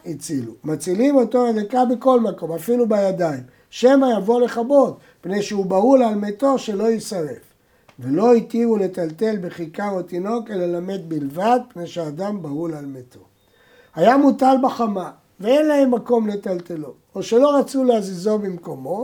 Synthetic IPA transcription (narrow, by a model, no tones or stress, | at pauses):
it͡silumat͡silimo̞t̪oad̪akabeko̞lmako̞mafilubajad̪aim | ʃemajavo̞leχabo̞d̪ | pne̞jʃeubaulalmet̪o̞ʃe̞lo̞isaʁe̞f | velo̞it̪ivule̞t̪alt̪e̞lbeχikaot̪ino̞ke̞lelame̞d̪̚bilvad̪̚pne̞jʃeaːd̪ambaulalmet̪ʰo̞̰ | ajamut̪albaχama | veenlahe̞mːako̞mlet̪alt̪e̞lo | oʃe̞lo̞ʁat͡suleazizo̞bimko̞mo̞